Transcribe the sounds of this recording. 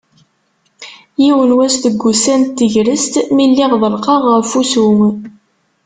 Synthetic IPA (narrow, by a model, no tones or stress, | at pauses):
jiwənwæst̪əɡʷːusænt̪ːəʝɾəst̪milːiʁðˤəlqɑʁəɾfusum